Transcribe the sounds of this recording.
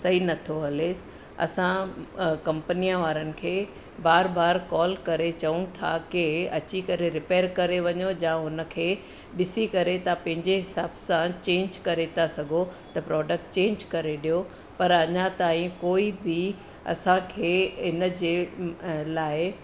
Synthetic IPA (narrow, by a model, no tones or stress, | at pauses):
sɐɦinɐt̪ʰoɦɐleːs | ɐ̰sãkɐ̃mpənijãʋaːɾənɪ̆kʰeː | baːɾbaːɾkɔːlkɐɾet͡ɕɐʋũt̪ʰa̰keɐt͡ɕikɐɾeɾɪpeːɾkɐɾeʋɐɲod͡ʑãːʊnə̆kʰeː | ɗɪsikɐɾet̪ɐpɐ̃ɦɪ̃ɲd͡ʑeɦɪsaːbsãt͡ɕẽːɲd͡ʑkɐɾet̪ʰasɐɡʱot̪ɐpɾɔːɖək̚ʈ̚t͡ɕẽːɲd͡ʑkɐɾeɗijo | pɐɾɐɲat̪aːɦĩkoːibi | ɐ̰sãkʰeːɦɪnə̆d͡ʑeː | laːɪ